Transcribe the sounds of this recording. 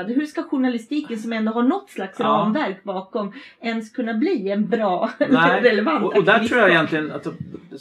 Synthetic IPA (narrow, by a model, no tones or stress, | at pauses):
d̪ɦɵʂkaɧʊɳalɪst̪iːkənsɔmɛnd̪oːɦaɳnɔt̪ːslaksɾɑnvæɾkbɑːkɔmɛnskʰɵnːabliːɛnbɾɑːɾɛlɛvant̪ɔd̪æɾuːjaɛjɛnt̪ʰlɪɡəna̰t̪